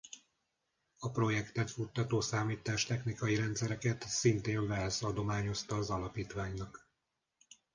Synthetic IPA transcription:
ɒpro̞jɛkt̪ɛt̪fut̪ːɒt̪oːsaːmiːt̪aːʃt̪ɛxnikɒjiɾɛnt̪sɛɾɛkɛt̪sint̪eːɱvɛlsɒd̪o̞maːɲo̞st̪ɒːzɒlɒpiːt̪ʋaːɲnɒk

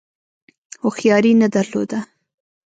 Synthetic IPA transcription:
xoxjɑɾinad̪aɾlo̰d̪a

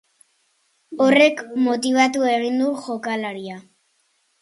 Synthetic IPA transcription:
o̞re̞kmo̞t̪iβ̞at̪ue̞ɣind̪uʝo̞kalaɾia

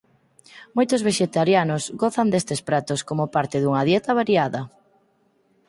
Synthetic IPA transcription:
mojt̪ʊzβeʃet̪aɾjanʊsɣɔθand̪est̪espɾat̪oskomopaɾt̪ɪðuŋɐðjɛt̪ɐβ̞aɾiaðɐ

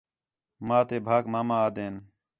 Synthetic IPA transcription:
maːt̪eːbʱaːkmaːmãːaːd̪eːn

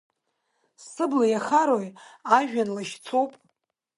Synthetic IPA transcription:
ssɨblajaχaɾojaʒᶣanlaʃt͡sʰowpʼ

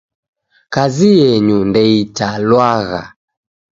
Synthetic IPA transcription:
kazijɛɲundɛitalwaɣa̰

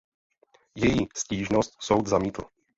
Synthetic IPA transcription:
jɛjiːsciːʒnost̪so̞wd̪zamiːt̪l̩

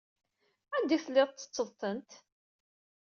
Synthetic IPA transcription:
ænd̪iθəlːɪðˤt̪ːə̥t͡sːəðˤθənt̪

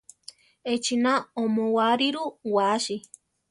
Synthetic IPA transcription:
et͡ʃinãõmõwaɾiɾuwaʃi

